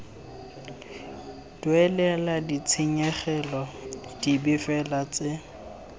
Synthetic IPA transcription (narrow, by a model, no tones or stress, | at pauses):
dwɛlɛladit͡sʰɪɲɛχɛlɔd̥ibɪfɛlat͡sʼɪ